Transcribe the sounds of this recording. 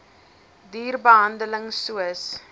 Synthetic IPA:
diːrbəɦɐndələŋsuəs

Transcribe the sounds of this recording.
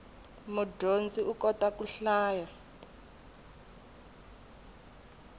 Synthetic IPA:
mudond͡zʼiukɔtakuɬaːja

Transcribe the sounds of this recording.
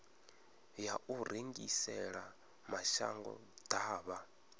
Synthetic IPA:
jaʔuɾeŋɡisɛɺa | maʃa̰ŋɡɔ̰d̪̥aːβa

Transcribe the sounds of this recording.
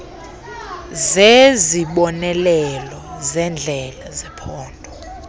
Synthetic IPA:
zeziɓɔnɛlɛlɔzɛnd͡ɮʱɛlazɛpʰɔːndʱɔ

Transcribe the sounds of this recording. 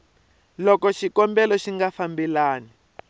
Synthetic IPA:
lɔkɔʃikɔmbɛlɔʃiŋɡafambilaːni

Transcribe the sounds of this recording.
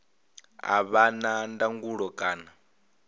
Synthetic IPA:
a̰βanandaŋɡuɺɔkʼaːna

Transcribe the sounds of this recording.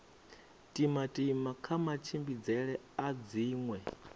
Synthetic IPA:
tʼimatʼimakʰamat͡ʃʰimbid͡zɛɺɛ | ad͡ziːŋwɛ

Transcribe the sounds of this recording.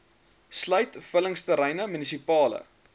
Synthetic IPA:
slœɥtfələŋstəɾəjnəmynisipɑːlə̰

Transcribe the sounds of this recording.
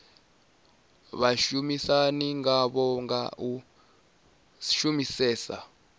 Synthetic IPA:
ɓaʃumisaniŋaɓɔŋa̰ʔu | ʃumisɛːsa̰

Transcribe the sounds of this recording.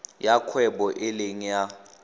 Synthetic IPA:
jakʰwɛɓɔʔɪleŋ̩ja

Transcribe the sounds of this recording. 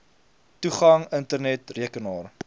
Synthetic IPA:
tuχɐŋəntərnɛtriəkənɑːr

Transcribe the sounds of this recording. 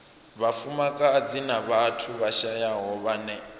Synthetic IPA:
βafumakʼad͡zinaβatʰuβaʃajaɦɔβanɛ

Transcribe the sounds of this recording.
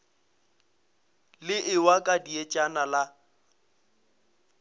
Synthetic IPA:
lɪʔɪwakʼadiet͡ʃʼanala

